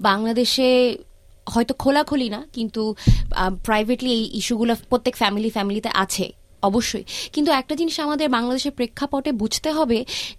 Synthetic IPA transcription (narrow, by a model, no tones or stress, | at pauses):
baŋlad̪eʃe | hɔet̪okʰolakʰolinakint̪u | pɾajbʱeʈliejʔiʃuɡulopɾot̪ːekfɛmilifɛmilit̪eʔa̰t͡ɕʰḛ | ɔboʃːojkint̪uɛk̚ʈad͡ʑiniʃamad̪eɾbaŋlad̪eʃeɾpɾekʰːapɔʈebud͡ʑʱt̪eɦɔbe